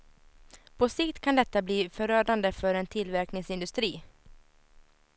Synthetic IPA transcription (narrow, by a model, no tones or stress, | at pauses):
pʰɔsɪkt̪kʰand̪ɛt̪ːabliːfœɾøːɖand̪əfœɾɛnt̪ʰɪlvæɾknɪŋsɪnd̪ɵst̪ɾiː